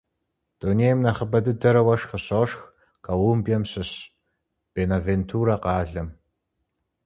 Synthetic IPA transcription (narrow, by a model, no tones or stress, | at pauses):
d̥oneːjmnɐχəbɐdɨdɐɾɐwɐʂχəɕoːʂx | kʰawumbjɐmɕɨɕ | b̥eːnaventʰuːɾaqɑːɮɐm